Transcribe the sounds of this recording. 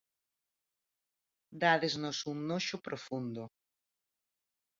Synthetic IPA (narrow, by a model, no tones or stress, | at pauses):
d̪aðeznosuŋnoʃopɾʔofund̪o